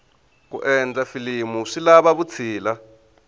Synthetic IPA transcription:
kṵʔɛnd͡zafilimuʂilaβaβut͡sʰiːla

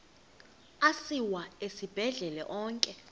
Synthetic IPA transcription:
asiwaesib̥ʱɛɮɛlɛ̰ʔɔːŋkʼɛ

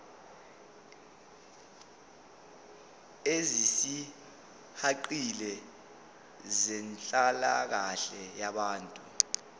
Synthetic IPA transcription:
ezisi | haǃilɛ | zɛnt͡ɬʼalak̬aɬɛjaɓaːntʼu

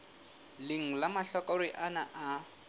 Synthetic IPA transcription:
lɪŋ̩lamaɬɔkʼɔɾiʔanaʔa

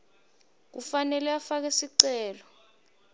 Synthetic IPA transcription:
k̬ufanɛlɛafak̬esiǀɛːlɔ

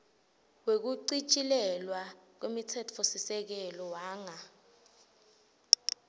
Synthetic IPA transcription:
wek̬uǀit͡ʃʼilɛlwak̬wemitʰɛt͡fʰosisɛk̬ɛlɔwaːŋa

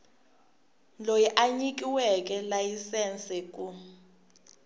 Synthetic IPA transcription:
lojiʔaɲik̬ʼiwɛk̬ʼɛlajisɛnsʼɛk̬ʼu

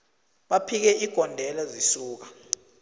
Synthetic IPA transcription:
ɓapʰik̬ɛʔiɡ̥ʱɔndʱɛlazisuːk̬a

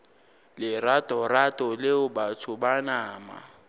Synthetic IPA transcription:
lɪratʼɔratʼɔlɪʊbatʰʊbanaːma̰

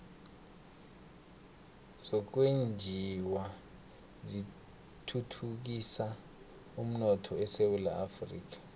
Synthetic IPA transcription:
zɔk̬wend͡ʒʱiwa | zi | tʰutʰuk̬isa | um̩nɔtʰɔɛsewula̰ʔafrḭːk̬ḁ

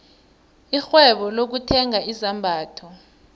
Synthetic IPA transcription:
ixwɛɓɔlok̬utʰɛŋaizambʱaːtʰɔ

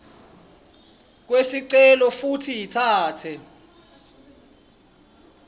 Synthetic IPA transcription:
k̬wesiǀɛlɔfutʰijitʰaːtʰɛ

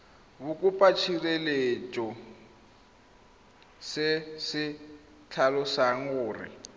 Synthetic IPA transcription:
βukʼupʼat͡ʃʰirelet͡ʃʼɔ | sɛsɪ | t͡ɬʰalɔsaŋʊːrɪ̰

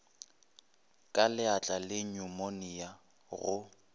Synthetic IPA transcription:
kʼalɪat͡ɬʼalɪɲʊmonɪja | ɣʊ

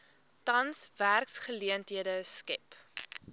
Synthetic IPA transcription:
tɐnsværksχəliəntɦiədəskɛp

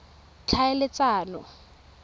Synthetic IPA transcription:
t͡ɬʰaɪlɪt͡saːnɔ

